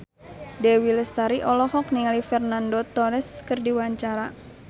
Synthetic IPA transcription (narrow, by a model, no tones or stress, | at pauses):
dewiləst̪aɾiʔɔlɔhɔk̚niŋalifɛrnandɔt̪ɔɾɛskɨrdiwaɲt͡ʃaɾa